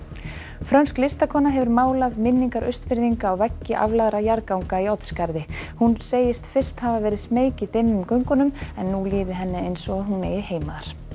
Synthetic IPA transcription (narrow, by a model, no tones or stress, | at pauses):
fɾœɥnsklɪst̪akʰɔːnaɦɛvʏɾmaːwlaðmɪnːiŋkaɾʔœɥst̪pɪɾðiŋkaːwvɛcːɪʔa̰vlaðɾajaɾkawŋkaiɔt̪skaɾðɪhunseːjɪst̪fɪr̥t̪havavɛːɾɪðsmeːjcɪt̪ɪmːʏmkœɥŋkʏnʏmɛnːuliːðɪɦɛnːɪejnsɔɣaɦunḛːjɪheːjmaðaɾ̥